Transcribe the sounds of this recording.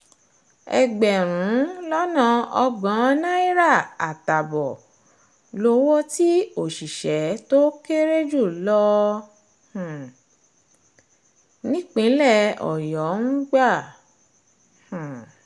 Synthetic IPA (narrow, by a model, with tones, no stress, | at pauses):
ɛ˧ɡ͡bɛ˨ɾ̃ũũ˨˦lɔ˦nã˧ɔ˧ɡ͡bã˨˦nã˦i˦ɾa˦˨a˨ta˨bɔ˨ | lo˧˦wo˦ti˦o˦˨ʃi˨ʃɛ˨˦to˦ke˦ɾe˦d͡ʒu˦˨lɔ˧ | h̩˨ | nĩ˦k͡pĩ˨˦lɛ˦˨ɔ̰˨jɔ˨˦ŋ̩˦ɡ͡ba˦˨ | h̩˨